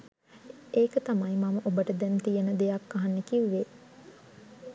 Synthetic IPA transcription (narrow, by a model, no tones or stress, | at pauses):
eːkət̪amajmɐməʔobəʈəd̪ɛnt̪ijənəd̪ejakːaɦanːekiʋʋe